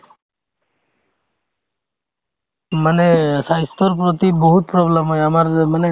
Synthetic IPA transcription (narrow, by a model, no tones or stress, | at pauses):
manɛsajst̪ɔɾpɹɔt̪ibɔɦut̪̚pɹɔblemɦɔjamaɾmanɛ